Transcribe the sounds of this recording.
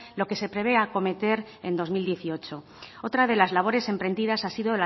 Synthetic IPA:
lo̞ke̞se̞pɾe̞β̞e̞ako̞me̞t̪e̞ɾ | e̞nd̪o̞zmild̪je̞θio̞t͡ʃo̞ | ot̪ɾað̞e̞lazlaβ̞o̞ɾe̞se̞mpɾe̞nd̪iðasasiðola

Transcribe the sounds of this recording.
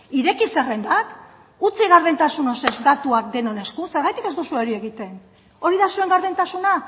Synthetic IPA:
iɾe̞kise̞re̞nd̪ak | ut͡siɣ̞aɾðent̪asunose̞zd̪at̪uak̚d̪e̞no̞ne̞skuse̞ɾɣajt̪ike̞zt̪osueɾie̞ɣ̞it̪e̞n | o̞ɾiðasue̞ŋɡaɾðent̪asuna

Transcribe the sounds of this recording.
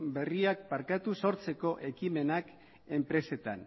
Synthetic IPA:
be̞riak̚paɾkat̪uso̞ɾt͡se̞ko̞ʔe̞kime̞nak | e̞mpɾe̞se̞t̪an

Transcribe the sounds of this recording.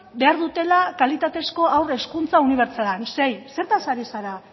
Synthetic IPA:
be̞aɾðut̪e̞lakalit̪at̪e̞sko̞awre̞skunt͡sauniβ̞e̞ɾt͡salanse̞jse̞ɾt̪asaɾisaɾa

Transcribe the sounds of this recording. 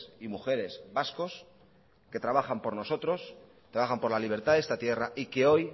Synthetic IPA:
imuxe̞ɾe̞zβasko̞s | ke̞t̪ɾaβ̞axampo̞ɾno̞so̞t̪ɾo̞s | t̪ɾaβaxampo̞ɾlaliβ̞e̞ɾt̪aðest̪at̪je̞raʔike̞o̞j

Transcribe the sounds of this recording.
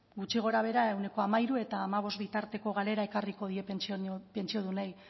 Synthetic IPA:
ɡut͡ʃiɣ̞o̞ɾaβ̞e̞ɾae̞wne̞ko̞amaiɾue̞t̪aːmaβ̞o̞zt̪bit̪aɾt̪e̞ko̞ɣale̞ɾae̞kariko̞ðie̞pent͡ʃope̞nt͡ʃio̞ðunaj

